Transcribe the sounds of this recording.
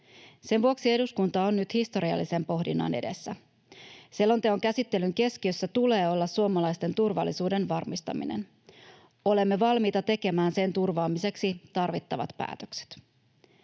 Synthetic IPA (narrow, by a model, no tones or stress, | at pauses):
se̞nʋuoksie̞duskunt̪ɑonːyt̪hist̪o̞ɾiɑ̰lːise̞mpo̞ɦdinːɑ̰ne̞̰de̞sːæ | silːo̞nt̪eoŋkæsit̪ːe̞lyŋke̞sk̟iø̞sːæt̪ule̞ːo̞lːɑsːuomɑlɑjst̪e̞nt̪urʋɑ̰lːisuːdenʋɑrmist̪ɑ̰mḭnḛn | o̞le̞mːe̞ʋɑlmiːt̪ɑt̪e̞ke̞mæːnse̞nt̪urʋɑːmise̞ksit̪ɑrʋit̪ːɑʋɑ̰t̪pæ̰ːt̪ø̥kse̥t̪